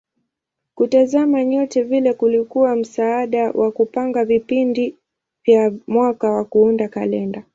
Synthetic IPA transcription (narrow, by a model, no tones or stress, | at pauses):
kutazamaɲɔtɛvilɛkulikuwam̩saaɗawʔakupaŋɡavipindi | vjamwakawakuundakalɛnda